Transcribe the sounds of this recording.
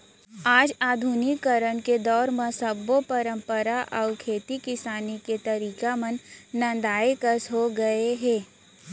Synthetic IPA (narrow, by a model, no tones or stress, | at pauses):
aːd͡ʒaːd̪ʱunikːəɾənked̪ɔːɾmə̃səbopəɾə̃mpəɾaʔɐʊkʰeːt̪ikɪsaːniket̪ɐɾiːkamənːɐ̃nd̪aːekəsɦoɡɐeɦɛ̃ː